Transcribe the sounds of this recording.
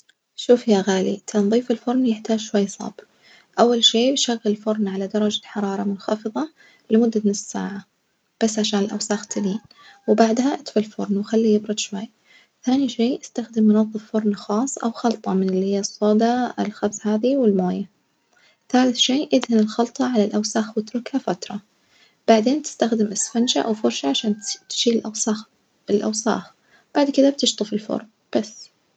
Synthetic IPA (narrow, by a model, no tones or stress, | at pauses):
ʃuːfjaɣaːlḭt̪ʰanðˤiːfɪlfʊɾˤnjɪħt̪aːd͡ʒʃwajːsˤɑ̰ːb | ʔawːalʃeːbʃaɣːɪlfʊɾˤnʕalad̪ɑɾˤɑd͡ʒaħɑɾˤɑːɾˤɑmʊnxɑfɨðˤɑ | lɪmʊd̪ːanɪssːa̰ːʕa | b̥asːʕaʃaːnɪlʔa̰wsaːxt̪ʰɪliːn | wbaʕd̪haʔat̪falfʊ̰ɾˤnwxalːijɪbɾʊd̪ʃwajː | θaːniʃeːʔast̪axd̪ɪmːʊnɑðˤːɨffʊɾˤnxɑːsˤːʔa̰wxɑlt̪ˤɑmɪnɪlːihɪjːɑsˤːoːd̪ɑɪlxabshaːðiwɪlmoːja | θaːlɪθʃeːʔɪd̪halɪlxɑlt̪ˤɑʕalalʔawsaːxwɪt̪ɾʊkhafat̪ɾˤɑ | b̥aʕd̪eːnt̪ɪ̥st̪axd̪ɪmʔɪsfanʃaʔawfʊɾʃaʕaʃaːnt̪ʃiːlɪlʔasax | ɪlʔa̰wsa̰ːx | b̥aʕd̪kɪðab̚t̪ɪʃt̪ˤɨfɪlfʊ̰ɾˤn | b̥as